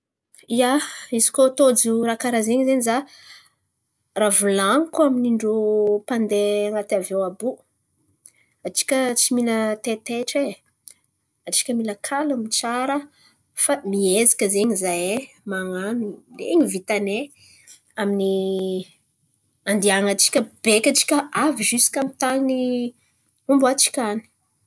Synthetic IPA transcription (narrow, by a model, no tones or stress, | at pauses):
iaizi̥kot̪od͡ʒuɾakaɾazeɲzeɲiza | ravulaŋkuaminiɳɖ͡ʐupand̪eaŋat̪avewabu | aʈ͡ʂi̥kʲət͡similət̪et̪eʈ͡ʂe | aʈ͡ʂi̥kʲəmiləkʰalamit͡saɾə | famiezi̥kʲəzeɲizaje | maŋanulḛɲivit̪ane | amini | and̪iaŋat͡ʃi̥kʲəb̥ekʲaʈ͡ʂi̥kʲəʔaviʒysi̥kamit̪ani | umbat͡ʃi̥kʲani̥